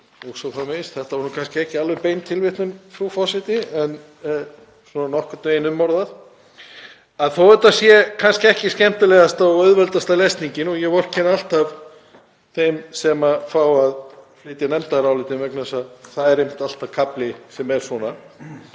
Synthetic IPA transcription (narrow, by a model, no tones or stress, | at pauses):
ɔɣsɔwθamejst̪θɛht̪avɔɾnukʰanscɪɛhcɪalvʏpejnt̪ʰɪlvɪht̪nʏmfɾufɔsɛt̪ɪɛn | sɔnanɔhkat̪eːjɪnʏmːɔɾðað | aðθowɛɾt̪asjɛkʰanscɪɛhcɪscɛm̥t̪ɪlɛɣast̪aɔœðvɛlt̪ast̪alejst̪niɲcɪnɔɣjɛvɔr̥cʰːɛnalt̪av | θejmsɛmafaːwaðflɪːt̪janɛmt̪aɾawlɪːt̪ɪvɛknasaðθaðɛɾejm̥t̪al̥t̪avkʰaplɪsɛmɛɾ̥swɔːna